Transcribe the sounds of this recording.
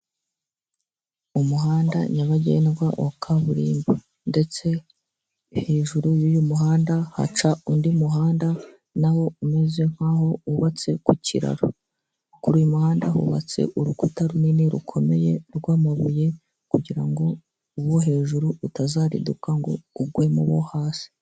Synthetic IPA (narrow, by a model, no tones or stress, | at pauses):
umuɦaːnda̰ɲaβaɟḛnɡwaʔokʰaβuɾiːmbo | nde̞t͡se̞ | he̞ːʒuɾujujumuɦaːndaha̰t͡ʃaundimuɦaːnda | naho̞ume̞zwe̞ŋ̥haho̞uβat͡se̞kucʰḭɾa̰ɾo | kuɾujumuhaːndahṵβa̰t͡se̞̰ʔuɾukutaɾuniniɾṵkʰo̞me̞̰je̞ɾɡwaːmaβuje̞ | kuɟiɾaŋɡo̞ | uβwoɦe̞ːʒuɾuutazaːɾḭdukaŋɡo̞̰uɡwe̞mṵβo̞̰haːsi̥